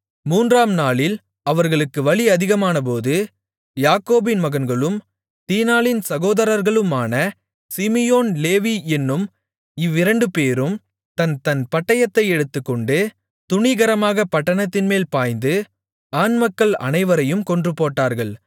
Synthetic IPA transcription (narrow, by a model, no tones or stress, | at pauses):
muːndraːmnaːɭɪl | ɐʋɐɾɣɐɭɯkːɯʋɐɭiɐðɪɣɐmaːnɐp̬oːðɯ | jaːkoːbɪnmɐɣɐnɡɐɭɯm | t̪iːnaːɭɪnsɐɣoːðɐɾɐɾɣɐɭɯmaːnɐ | sɪmɪjoːnleːʋiɛnːɯm | ɪʋːɪɾɐɳɖɯpeːɾɯm | t̪ɐnt̪ɐnpɐʈːɐjɐt̪ːɐɪɛɽɯt̪ːɯkːɔɳɖɯ | t̪ʊɳɪɣɐɾɐmaːɣɐpɐʈːɐnɐt̪ːɪnmeːlpaːjnd̪ɯ | aːnmɐkːɐɭɐ̰nɐɪʋɐɾɐjɯmkɔɳdrɯpoːʈːaːɾɣɐɭ